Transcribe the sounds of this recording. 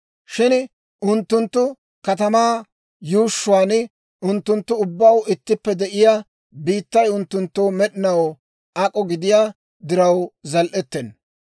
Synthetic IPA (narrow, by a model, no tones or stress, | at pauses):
ʃɪn | ʔʊnt̪ːʊnt̪ːʊ | kɐt̪ɐmaː | juːʃːʊaːn | ʔʊnt̪ːʊnt̪ːʊʊbːɐwɪt̪ːɪpːɛd̪ɛʔɪjaː | biːt̪ːɐjʊnt̪ːʊnt̪ːoːmɛɗɪnɐw | ʔɐkʼɔɡɪd̪ɪjaː | d̪ɪɾɐwzɐlʔɛt̪ːɛn